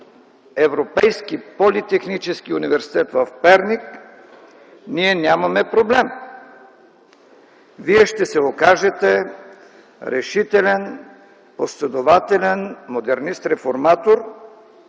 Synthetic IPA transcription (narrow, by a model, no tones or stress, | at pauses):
ɛvɾopɛjskipolit̪ɛxnit͡ʃɛskiunivɛɾsi̥t̪ɛt̪vəfpɛɾnik | niɛnʲamɐmɛpɾoblɛm | viɛʃt̪ɛsɛokaʒɛt̪ɛ | ɾɛʃit̪ɛlɛn | poslɛd̪ovat̪ɛlʲɛnmod̪ɛɾnist̪ɾɛfoɾmat̪oɾ